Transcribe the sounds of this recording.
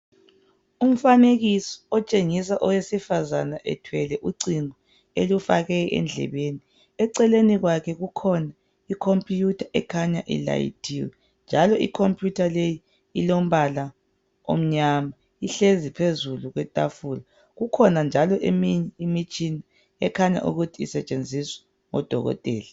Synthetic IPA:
um̩faneɣisɔ̥ɔt͡ʃʼeŋis̬aʔɔwesifazanaʔɛ̰tʰwɛlɛʔuǀiŋɔ | elufaɣɛʔɛ̰nd͡ɮʱɛ̰βeni | ɛǀɛleniɣwakʰɛɣukʰɔna | ikʰompʰʼjutʰaʔɛkʰaɲaʔḭla̰jḭtʰiwɛ | nd͡ʒʱalɔikʰompʼʰjutʰaleji | ilom̩βala | o̰m̩ɲama | iɬezipʰezuluɣwɛtʼafula | ɣukʰɔnand͡ʒʱalɔʔemiɲɛimit͡ʃʼini | ɛkʰaɲa̰ʔṵɣutʰiːsɛt͡ʃʼend͡zʱiswɛ̥ | ŋɔ̰d̥ʱɔɣɔ̰tʼɛːla

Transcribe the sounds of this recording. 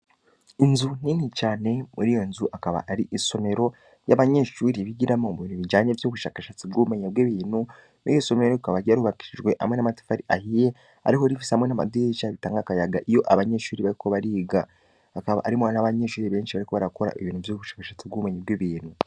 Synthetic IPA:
inzun̥iːnit͡ʃaːne̞muɾijo̞nzuʔakaβa̰ʔaɾiʔiso̞me̞ɾo̞ | jaβaɲe̞ʃuːɾiβiɟiɾamoβunuβid͡ʒaːɲevjoːβuʃakaʃat͡sib̚ɡumeɲebweːβiːnu | nḭjiso̞meɾɾoukaβaɟiaɾuβaki̥ʃiʒɡwe̞ʔa̰mŋe̞namati̥faɾiʔahije | a̰ɾihoɾifisehamŋe̞nama̰dwiet͡ʃaβitaːŋɡakajaɡaʔijo̞ʔaβaɲe̞ʃuːɾiβaɾiko̞βaɾiːɡaː | kaβa̰ʔaɾimonaβaɲe̞ʃuːɾiβe̞ːnʃiβaɾiko̞βaɾako̞ɾa̰ʔeβiːnuvjoːβuʃḁːkaʃat͡sibɡuːmeɲebwiːβiːnhu

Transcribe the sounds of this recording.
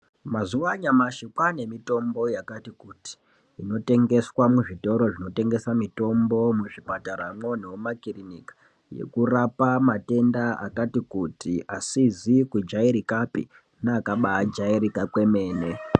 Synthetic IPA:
mazuwaɲamaʃikwane̞mito̞mbo̞jakatikuti̥ː | no̞te̞ŋɡe̞swamuʐito̞ɾo̞ʐino̞te̞ŋɡe̞samito̞mbo̞muʐipataɾamo̞niwomakirinikḁ | je̞̰kurapamate̞ndaa̰katikutiʔasizikud͡ʒaiɾikapḭ | naːkaɓaːd͡ʒaiɾikakwe̞me̞ːne

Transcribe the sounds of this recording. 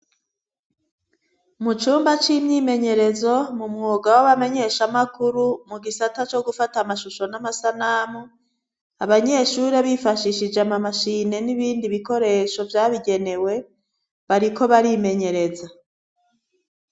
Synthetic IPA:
mut͡ʃuːmbat͡ʃimɲime̞ɲe̞ɾe̞zo̞mumŋuːɡawaβame̞ɲe̞ʃamakuɾumuɡisatat͡ʃo̞ɡufatamaʃuʃo̞namasanamu | aβaɲe̞ʃuːɾeβifaʃiʃid͡ʒeamamaʃine̞niβiːndiβiko̞ɾe̞ːʃo̞vjaːβiɡe̞ne̞we̞ | βaɾiko̞βaɾime̞ɲe̞ɾe̞za

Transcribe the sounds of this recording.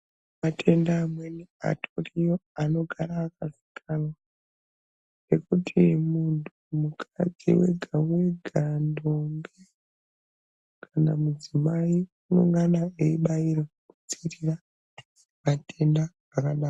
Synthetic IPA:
matʰe̞ndaːmwenia̰tʰorijoano̞ɡʱaɾaːkazi̥kʰalwa | ne̞kutʰimuntʰumukʰa̰d͡zḭwe̞̰ɡʱaweɡʱandombe | kʰanamud͡zimaiuno̞ŋɡanaeiɓaiɾa | ku̥t͡sirira | mate̞ndaː | kaɗaː

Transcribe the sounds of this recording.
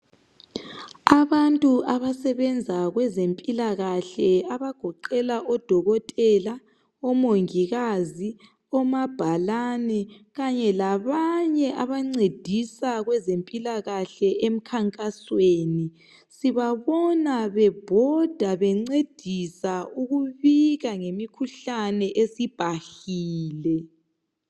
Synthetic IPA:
aβantʼuʔaβasɛβɛnd͡zʱaɣwɛzempʼilaɣaɬɛaβaɡ̥ʱɔǃɛlaʔɔd̥ʱɔɣɔtʼɛla | ɔmoŋiɣazi | ɔmab̥ʱalanɛɣaɲɛlaβaɲɛʔaβaŋ͡ǀed̥ʱisaɣwɛzempʼilaɣaɬɛʔem̩kʰaŋkʼasweːni | siβaβɔnaβɛb̥ʱɔd̥ʱaβɛŋ͡ǀed̥ʱisauɣuβiɣaŋemikʰuɬanɛʔesib̥ʱaɬiːlɛ

